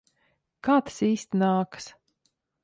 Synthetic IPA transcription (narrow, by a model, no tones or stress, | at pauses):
kaːt̪ḁsiːst̪ʲnaːkɨ̥s